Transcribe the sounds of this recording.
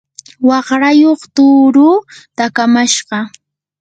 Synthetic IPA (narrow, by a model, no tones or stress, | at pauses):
wɑχɾajoχt̪uːɾuːt̪akamaʃɢɑ